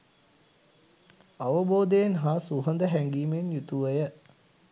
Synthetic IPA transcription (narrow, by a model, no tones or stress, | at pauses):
aʋəboːd̪ejnɦasuɦənd̪əɦæŋɡiːmenjut̪uʋəjə